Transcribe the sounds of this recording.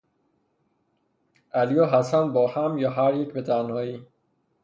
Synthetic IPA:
æljɒːɦæsænbɒːhæmjɒːɦæɾjecbet̪ʰænhɒːjiː

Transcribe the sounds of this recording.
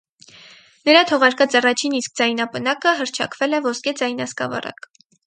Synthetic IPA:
nəɾɑt̪ʰɔʁɑɾkɑt͡sɑrɑt͡ʃʰinisk̚d͡zɑjnɑpənɑkəɦəɾt͡ʃʰɑ̰kvɛlɛvɔskɛd͡zɑjnɑskɑ̰vɑ̰rɑ̰k

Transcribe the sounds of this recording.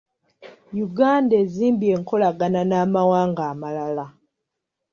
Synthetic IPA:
juɡaːndeːziːmbje̞ːŋko̞laɡananaːmawaːŋɡaːmalala

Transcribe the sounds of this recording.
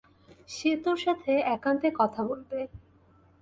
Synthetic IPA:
ʃet̪oɾʃat̪ʰeɛkant̪ekɔt̪ʰabolbe

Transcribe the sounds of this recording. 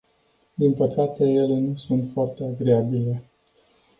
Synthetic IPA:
d̪inpəkat̪e̞je̞le̞nusunt̪foart̪e̞aɡɾeabile̞

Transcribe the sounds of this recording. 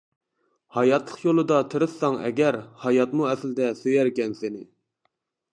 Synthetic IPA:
hɑjɑt̪lˠə̥qjolˠɨd̪ɑt̪ʰɨɾɨɑŋɛ̰ɡʲæɾhɑjɑt̪muɛslɪd̪ɛsøjɛɾkʲɛnsɪnɪ

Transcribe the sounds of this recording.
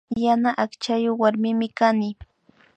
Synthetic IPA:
janaʔakt͡ʃajoχwaɾmɪmɪkanɪ

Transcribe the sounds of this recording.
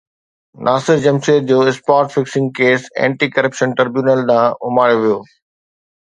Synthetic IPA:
nʔaːsɪɾd͡ʑɐmʃeːɾd͡ʑoːɪspaːɾʈfɪksɪ̃ŋɡ̚keːsɛ̰̃ːɳʈiːkɐɾəpʃə̃nʈɐɾbjuːnəlɗ̪ãːʊmaːɽjoʋijoː

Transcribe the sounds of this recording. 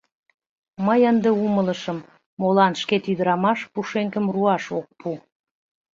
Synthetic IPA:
məjənd̪eumələʃəmː | olɑnʃket̪yd̪əɾɑmɑʃpuʃeŋkəmruɑʃok̚pu

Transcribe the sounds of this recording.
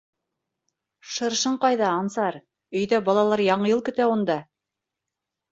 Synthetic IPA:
ʃɤ̆ɾʃɤɴqɑjðɑːnsɑɾ | ɵ̆jðæbɑlˠɑlˠɑɾjɑɴɤ̆jɤlˠkɵ̆t̪æund̪ɑ

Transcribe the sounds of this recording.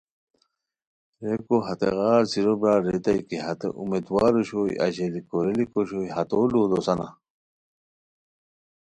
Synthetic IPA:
ɾekoɦɐt̪ḛɣaːɾsiɾobɾaːɾet̪ɐjkiɦɐt̪ḛʔumed̪waːɾoɕojɐ̰ʑelikoɾelikoɕoːjhɐt̪oːloːd̪osɐna̰

